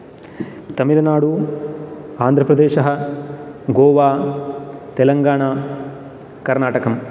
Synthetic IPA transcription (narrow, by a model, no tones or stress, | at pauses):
t̪ɐmilɐnaːɽu | aːnd̪ʱɾɐpɾɐd̪eːʃɐɦɐ | ɡɔːʋaː | t̪ɛlɐŋɡaːɳaː | kɐɾnaːʈɐkɐm